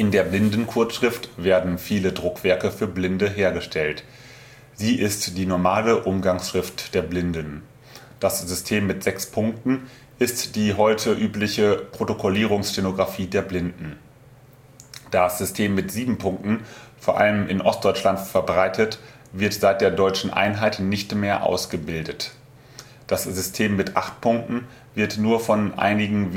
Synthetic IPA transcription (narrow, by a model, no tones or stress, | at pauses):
ʔɪndeːɐblɪndn̩kʰʊɐtʃʁ̥ɪftv̥eːɐdn̩fiːlədʁʊkv̥ɛɐkəfyːɐblɪndəɦeːɐɡəʃtʰɛlt | z̥iːʔɪstd̥iːnɔɐmaːləʔʊmɡaŋsʃʁ̥ɪft̚d̥eːɐblɪndən | d̥asz̥ʏstʰeːmːɪtz̥ɛkspʰʊŋk̚tn̩ | ʔɪstd̥iːɦɔʏtʰəʔyːplɪçəpʁ̥otokʰoliːʁ̞ʊŋsʃenoɡʁafiːdeːɐblɪndn̩ | d̥asz̥ʏstʰeːmːɪtz̥iːbm̩pʰʊŋk̚tn̩foːɐʔa̰ləmʔɪnʔɔst̚d̥ɔʏt͡ʃlantfɛɐbʁaɪtʰət | v̥ɪɐtz̥aɪt̚d̥eːɐdɔʏt͡ʃn̩ʔa̰ɪnɦaɪtnɪçtmeːɐʔa̰ʊsɡ̥əbɪldət | d̥aszʏstʰeːmːɪtʔa̰χt̚pʰʊŋk̚tn̩ | vɪɐtnuːɐfɔnʔa̰ɪnɪɡŋ̩